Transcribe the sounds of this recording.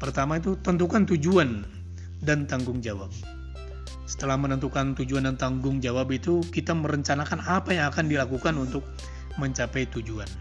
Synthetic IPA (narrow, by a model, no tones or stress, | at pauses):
pərt̪amait̪̬ut̪ənt̪̬ukant̪ud͡ʒuan | dant̪aŋɡʊŋd͡ʒawap̚ | sə̥t̪əlahmənənt̪ukant̪ud͡ʒuandant̪aŋɡʊŋd͡ʒawapit̪ukit̪aməɾəɲt͡ʃanakanapajaŋakandilakukanunt̪ʊk̚ | məɲt͡ʃapajt̪ud͡ʒuan